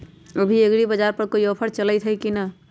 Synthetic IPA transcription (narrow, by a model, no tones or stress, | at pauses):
əbʱieɡɾibəd͡ʒaɾpəɾkoiɔpʰəɾt͡ʃələjt̪ʰɦəjkinə